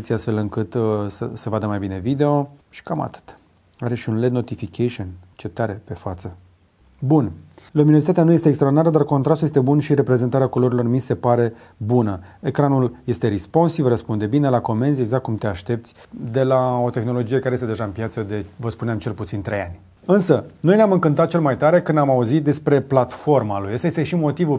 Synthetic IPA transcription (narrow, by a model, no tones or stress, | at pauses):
t̪sʲiast̪fe̞lɨŋkɨt̪səsəvad̪əmajbine̞vid̪e̞o̞ʃi̥kama̰t̪ɨ̥t̪ | aɾeʃiunled̪no̞t̪ifikʰeʃiont͡ʃet̪aɾe̞pe̞fat̪sə | bunlumino̞zit̪at̪eanuje̞st̪eːkst̪ɾod̪inaɾəd̪arko̞nt̪ɾast̪ujest̪ebunʃiɾe̞pɾeze̞nt̪aɾeakolo̞ɾilo̞rmise̞paɾe̞ | bunəekɾanulje̞st̪e̞ɾispo̞nsivrəspund̪e̞bine̞lako̞me̞nzie̞ɡzakt̪kumt̪e̞aʃt̪e̞pt̪sʲ | d̪e̞lao̞t̪e̞xno̞lo̞d͡ʒije̞kaɾejest̪d̪e̞ʒaɨnpjat̪səd̪e̞vəspuneamt͡ʃe̞lput̪sint̪ɾeja̰nʲ | ɨnsənojneamɨŋkɨnt̪at̪̚t͡ʃelmajt̪aɾe̞kɨnd̪amauzit̪̚d̪e̞spɾe̞plat̪fo̞rmalujəst̪ajest̪eʃimo̞t̪ivu